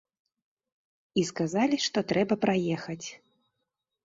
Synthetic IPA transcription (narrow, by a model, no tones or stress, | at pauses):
iskazalʲiʂt̪ɔt̪ɾɛbɐpɾajɛxɐt͡sʲ